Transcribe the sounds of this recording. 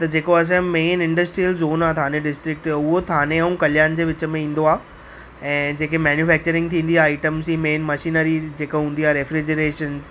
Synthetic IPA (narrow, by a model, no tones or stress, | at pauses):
t̪ɐd͡ʑeːkoɐs̬ãmeːnɪ̃ɳɖəsʈɾiəlzoːnaːt̪ʰãːneɖɪsʈɾɪk̚ʈʊɦot̪ʰaːneɐũkɐljaːnd͡ʑeːʋɪt͡ɕə̆mẽĩːn̆d̪oaː | ɛ̃ːd͡ʑeːkemɛːnjufɛːk̚t͡ɕəɾɪ̃ŋɡ̚t̪ʰĩːnd̪iaːaiʈəmziːmeːnmɐʃiːnəɾid͡ʑeːkoɦũːn̆d̪iaːɾefɾid͡ʑəɾeːʃənz